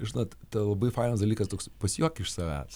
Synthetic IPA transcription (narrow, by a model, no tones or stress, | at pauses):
ʒʲɪnoːt̪t̪ɐlˠɐbɐɪfɑɪnɐsd̪ɐlʲikɐst̪oːkspɐsʲjoːkʲɪʃsɐʋʲæ̰ːs